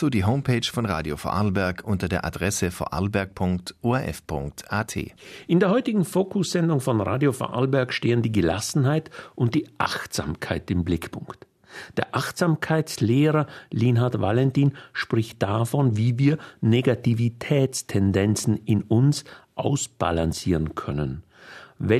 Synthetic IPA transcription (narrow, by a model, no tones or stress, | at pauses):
z̥oːdiːɦoʊmpʰeːt͡ʃfɔnʁa̰ːdjofo̰ʔalbɛɐkʰʔʊntɐdeːɐʔa̰dʁɛsəfo̰ːʔa̰lbɛɐk̚pʰʊŋktʔoːɛʔɛ̰fpʰʊŋktʔaːtʰḛːʔɪndeːɐhɔʏtɪɡŋ̩foːkʰʊsz̥ɛndʊŋfɔnʁa̰ːdjofa̰ʔa̰lbɛɐkʃteːəndiːɡəla̰sn̩ɦaɪtʔʊnt̚d̥iːʔa̰xtz̥a̰ːmkʰaɪtɪmblɪkpʰʊŋkt | d̥eːɐʔaχtz̥aːmkʰaɪt͡sleːʁɐlinɦaɐtva̰lɛntiːnʃpʁ̥ɪçt̚d̥afɔnviːviːɐneɡativitʰɛːt͡stʰɛndɛnt͡sn̩ɪnʊnsʔaʊsb̥a̰lansiːʁənkʰœnən | vɛ